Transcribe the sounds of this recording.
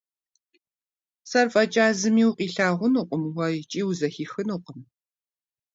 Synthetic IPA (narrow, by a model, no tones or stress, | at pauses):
sɐrfʼɐt͡ʃʼaːzɨmiːwqʼiːɬaːʁʷʊnuqʷʼʊmwɐjt͡ʃʼiːwuzɐxiːxɨnuqʼəm